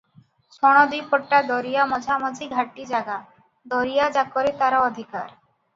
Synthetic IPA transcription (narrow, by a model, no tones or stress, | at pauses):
ʃɔɽ̃ɔd̪ujpʰɔʈːad̪ɔɾijamɔd͡ʑʱamɔd͡ʑiɡʱaʈːid͡ʑaɡa | d̪ɔɾijad͡ʑakːɔɾet̪aɾaɔd̪ʱika̰ɾ